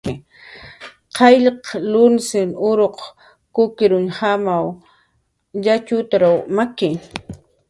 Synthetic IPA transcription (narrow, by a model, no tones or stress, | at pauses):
qʰɑjʎqlʊnsɪnʊɾoq | kʊkɪɾʊnhamaw | ʎat͡ʃʊt̪ɾawmakɪŋ